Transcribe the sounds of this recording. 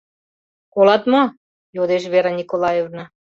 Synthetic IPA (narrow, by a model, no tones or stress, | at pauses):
kolɑt̪mo | jod̪eʃ̬βeɾɑnʲikolˠɑjevnə